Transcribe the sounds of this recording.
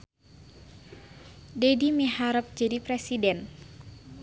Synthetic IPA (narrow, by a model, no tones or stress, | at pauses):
dɛdimiɦaɾəp̚d͡ʒadipɾɛsidɛn